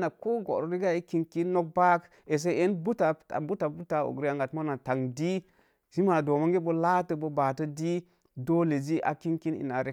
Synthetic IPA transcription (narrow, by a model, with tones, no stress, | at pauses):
na˨ko˦ɡo̰˨ɾo˨ɾi˦ɡa˦i˦ki˦nki˦nno˦k̚ba˦k | e˨s̬e˦e˦nbu˦ta˨a̰˨bu˦ta˨bu˦ta˨o̰˨ɡɾi˦a˦˨ŋɡa˨tmo˦na˨ta˨ŋdi˦ | si˦ma˨do˨mo˦ŋɡe˦bə˦la˦tə˨bo˨ba˨tə˦di˦ | do˦le˨d͡ʒi˦ʔa̰˨ki˦ŋki˦nḭ˨na˨ɾe˦